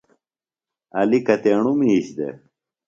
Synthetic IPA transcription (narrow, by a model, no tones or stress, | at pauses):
ɐlikɐt̪eːɳumiːɕd̪ḛ